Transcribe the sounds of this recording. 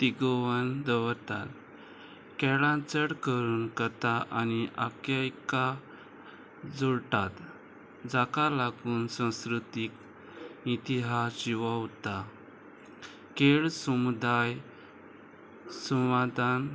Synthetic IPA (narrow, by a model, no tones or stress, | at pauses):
t̪iɡɔʋənd̪əʋəɾt̪al | kɛɭãt͡səɽkəɾuːnkət̪aʔaniʔa̰kajka | d͡zuɾʈat̪ | d͡zakalaɡuːnsãwskɾut̪ik | it̪iɦasd͡ʑiʋawt̪a | keɭsəmud̪aj | suwad̪an